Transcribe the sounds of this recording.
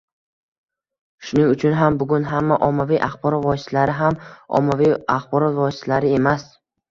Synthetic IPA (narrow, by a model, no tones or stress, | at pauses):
ʃʊnɪŋʊt͡ʃʰʊnɦambʊɡʊnɦamːaʔɒmːaviʔaχbɒɾɒt̪vɒsɪst̪ʰalaɾɪɦamɒ̰mːavijaχbɒɾɒt̪vɒsɪst̪ʰalaɾɪe̞mas